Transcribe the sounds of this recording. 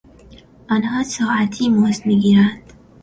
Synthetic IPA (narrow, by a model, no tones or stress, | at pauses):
anhɑsɑat̪ʰimosmiɡiɾand̪̥